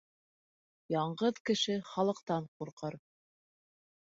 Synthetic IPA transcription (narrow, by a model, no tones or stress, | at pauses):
jɑɴɢɤðkɘ̆ʃɘχɑlˠɤ̆qt̪ɑɴquɾqɤɾ